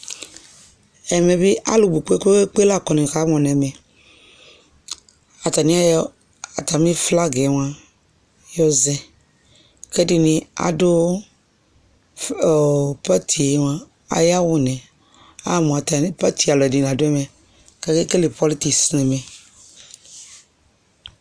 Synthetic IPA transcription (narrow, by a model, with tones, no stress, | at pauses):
ɛ˨me˨be˦ʔa̰˦lo˨bu˨k͡pe˦ke˦k͡pe˦la˦˨kɔ˨nĩ˨ka˦mɔ̃˨nɛ̃˨mɛ̃˨ | a˨t̪a˨nĩ˦a˦ | a˨t̪a˨mĩ˦fla˦ɡe˨˦ŋ˦a˦ | jɔ˦zɛ˦ | ke˦di˦nĩ˨˦a̰˨do˦˨ | pa˦t̪ʰi˨e˨˦ŋ˦ã˦ | a̰˨ja˦wo˦nɛ̃˨ | a˦mɔ̃˨a˨t̪a˨˦pa˦t̪ʰi˨a˨lɛ˨dĩ˨la˨do˦ɛ˦mɛ̃˨ | ka˦ke˦ke˦le˨pɔ˦li˦t̪i˦˨snɛ˨mẽ˨